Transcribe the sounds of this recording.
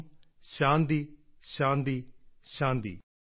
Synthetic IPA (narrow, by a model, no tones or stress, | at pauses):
ʃãːnd̪iːʃãːnd̪iːʃãːnd̪ḭː